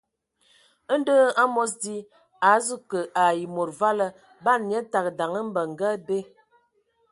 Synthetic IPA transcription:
ə˦n˦də˦a˦mɔ˦s̬di˦ | a˨˦zu˦kə˨ʔa˨ji˨mo˨ɾva˦lə˦ | ba˦˨nɲə˦ta˨k̚da˨ŋə˦m̩˦bə˨ŋ˨ɡə˦be˦

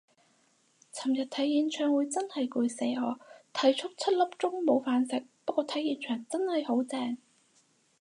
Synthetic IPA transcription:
t͡sʰɐ˨˩mjɐ˨˩t̚t̪ʰɐ˨˥jjiː˨˧nt͡ʃʰœː˨˩ŋwuː˨˧jt͡sɐ˥nhɐ˨jkuː˧jse˨˥ɔː˨˧t̪ʰɐ˨˥jt͡ʃʰʊ˥k̚t͡sʰɐ˥t̚lɐ˥p̚t͡sʊ˥ŋmo˨˧wfaː˨˧nsɪ˨k̚pɐ˥t̚kʷːɔː˧t̪ʰɐ˨˥jiː˨˧nt͡ʃʰœː˨˩ŋt͡sɐ˥nhɐ˨jho˨˥wt͡sɛː˧ŋ

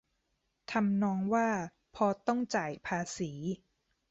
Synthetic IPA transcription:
t̪ʰa˧mnɔː˧ŋwaː˥˩ | pʰɔː˧t̪ɔ˥˩ŋt͡ɕaː˨˩jpʰaː˧siː˩˦

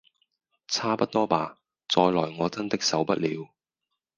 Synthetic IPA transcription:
t͡sʰaː˥pɐ˦˥t̚t̪ɔː˥paː˨˧ | t͡sɔː˧jlɔː˨˩jŋɔː˨˧t͡sɐ˥nt̪ɪ˥k̚sɐ˨˥wpɐ˦˥t̚liː˨˧w

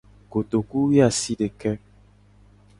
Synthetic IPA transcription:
ko˨t̪o˨ku˦wi˦a˨si˦ɖe˨kɛ˦

